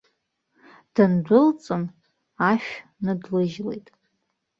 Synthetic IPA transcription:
d̥andʷʊlt͡sʼɨn | aʃᶣnɨdlɨʒle̞̰jtʼ

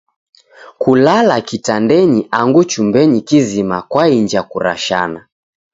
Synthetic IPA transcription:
kulalakitandɛɲiʔaŋɡut͡ʃumbɛɲikizimakwaiɲd͡ʒakuɾa̰ʃa̰na

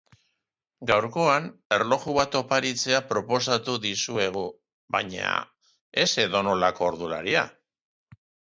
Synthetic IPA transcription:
ɡawɾko̞ane̞ɾlo̞xuβat̪o̞paɾit͡se̞apɾo̞po̞sat̪uðisue̞ɣ̞u | βa̰ɲa̰ | e̞se̞ðo̞no̞lako̞ːɾðula̰ɾia̰

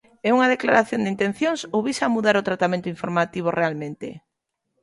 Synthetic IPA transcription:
euŋað̞eklaɾaθjond̪int̪ẽnθjoŋsoβisamuðaɾot̪ɾat̪amẽnt̪oiɱfoɾmat̪iβ̞orealmẽnt̪ḛ

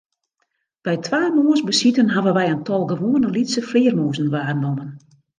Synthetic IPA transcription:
b̥ɛjtʰʋaːmoːənsbəsitənɦaʋənʋɛjəntʰɔlˠɡəʋoːənəlitsəflɪːərmoːzn̩ʋaːnomən

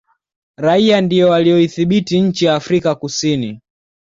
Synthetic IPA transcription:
ɾaiandijɔwalijɔiθiɓitiɲ̩t͡ʃijaːfɾikakusini

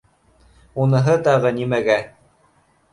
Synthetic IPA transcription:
unɤ̆ɦɤt̪ɑʁɤnimæɡæ

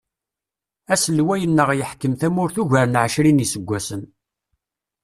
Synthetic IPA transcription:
æsəlwæjənːəʁjəħkːəmθæmʊɾθuʝəɾnʕəʃɾinisəɡʷːæsən

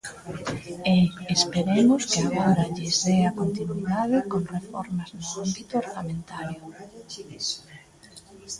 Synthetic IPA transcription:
eːspeɾemʊskɪaɣoɾaʎɪzðeakont̪inwiðaðɪkoŋrefɔ̰ɾmaznʊambit̪ʊoɾnamẽnt̪aɾjʊ

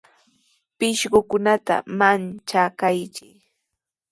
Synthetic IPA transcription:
pɪʃɢʊkʊnat̪a̰mant͡ʃakajt͡ʃɪ

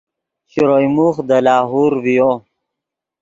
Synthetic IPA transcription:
ɕiɾojmuχd̪əlɑːɦuɾwijo

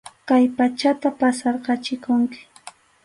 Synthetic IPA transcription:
kajpat͡ʃat̪apasɑɾqɑt͡ʃɪkʊŋkɪ̥

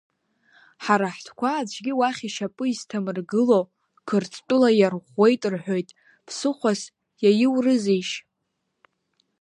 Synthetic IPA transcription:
ħaɾaħtʰkʷʰaːd͡ʒʷʰɡʲiwaχʲiʃapʼɨistʰamɨrɡɨlo | kʰɨrt͡sʰʼtʼʊlajarʁe̞jtʼɨrħʷᶣojtʼ | pʰsɨχʷas | jajɪwrɨziʃ

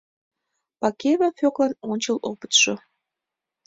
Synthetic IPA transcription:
pɑkeβɑfʲoklɑnonʲt͡ɕəlopə̥t̪ʃo

